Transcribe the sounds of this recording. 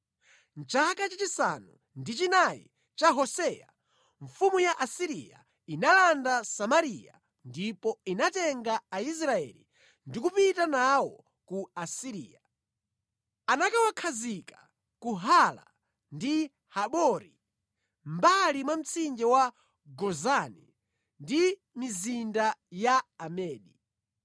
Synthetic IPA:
nt͡ʃakat͡ʃat͡ʃisa̰nu | ndit͡ʃinajḭ | t͡ʃaɦɔsɛja̰ | ɱ̩fumujaʔasiɾija̰ | inalandasamaɾija̰ | ndipɔinatɛŋɡaːis̬ɾaɛ̰li | ndikupitanawɔ | kuasiɾḭːa | anakawakʰazikḁ | kuɦala̰ | ndi | haɓɔɾi | mbalimwam̩t͡sʰind͡ʒɛwa | ɡɔzanɛ̰ | ndi | mizindajaːmɛːɗi

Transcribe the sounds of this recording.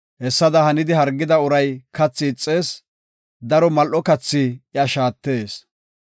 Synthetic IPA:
hɛsːɐd̪ɐhɐnɪd̪ɪɦɐɾɡːɪd̪ɐʊɾɐjkɐt͡sːɪːt͡sʼːe̞ːs | d̪ɐɾɔmɐlʔɔkɐt͡sːɪɪɐʃaːt̪ːe̞ːs

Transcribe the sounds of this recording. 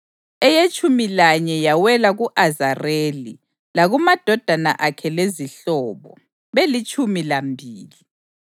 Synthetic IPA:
ɛjet͡ʃʼumilaɲɛjawɛlaɣuʔazareːli | laɣumad̥ʱɔd̥ʱana̰ʔakʰɛleziɬɔːβɔ̰ | βelit͡ʃʼumilambʱiːli

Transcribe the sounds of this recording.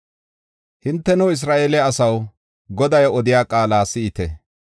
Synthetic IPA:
hɪnt̪ːɛnɔɪs̬ɾaːʔeːlɛɐsɐw | ɡɔd̪ɐjɔd̪ɪjaːkʼaːlaːsɪɪt̪ɛ

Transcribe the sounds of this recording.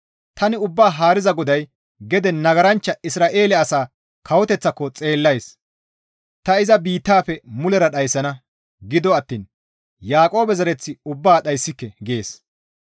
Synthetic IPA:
t̪ɐnɪʊbːaːɦaːɾɪzɐɡɔd̪ɐj | ɡɛd̪ɛnɐɡɐɾɐnt͡ʃːɐɪsɾaːʔe̞ːlɛɐsaː | kɐwɔt̪ɛt͡sːɐkːɔt͡sʼe̞ːlːɐjs | t̪ɐɪzɐbiːt̪ːaːpɛmʊlɛɾɐɗɐjsːɐnɐ | ɡɪd̪ɔɐt̪ːiːn | jaːkʼo̞ːbɛzɐɾɛt͡sːɪʊbːaːɗɐjsːɪkːɛɡe̞ːs

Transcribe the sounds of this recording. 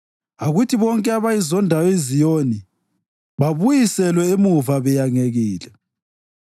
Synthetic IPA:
aɣutʰiβɔŋkʼɛaβajizɔndʱawɔezijoni | βaβujisɛlwɛemuvaβɛjaŋeɣiːlɛ

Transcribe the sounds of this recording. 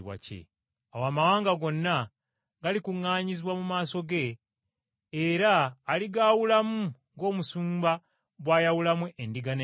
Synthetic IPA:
wa̰cḛ | awaːmawaːŋɡaɡo̞nːa | ɡalikuŋːaːɲiziβwamumaːso̞ɡe̞ | ɾaːliɡaːwulamuŋɡo̞ːmusuːmba | bwaːjawulamweʔendiɡane

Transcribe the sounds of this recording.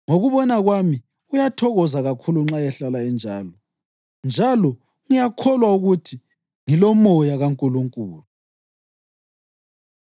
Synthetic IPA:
ŋoɣuβɔnaɣwami | ujatʰɔɣɔzaɣakʰuluŋ͡ǁajɛɬalaɛnd͡ʒʱa̰ːlɔ | nd͡ʒʱalɔ | ŋijakʰɔlwauɣutʰi | ŋilɔmɔjaɣaŋkʼuluŋkʼuːlu

